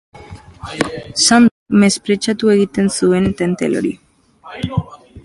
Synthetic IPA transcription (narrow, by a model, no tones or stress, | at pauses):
sand̪akme̞spɾe̞t͡ʃat̪ue̞ɣit̪e̞nsue̞nt̪e̞nt̪ḛlo̰ɾḭ